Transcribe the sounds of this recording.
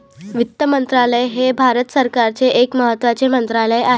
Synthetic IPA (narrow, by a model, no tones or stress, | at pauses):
ʋit̪ːəmənt̪ɾaləjɦebʱaɾət̪səɾkaɾt͡seʔːkməɦət̪ːʋat͡semənt̪ɾaləjaɦ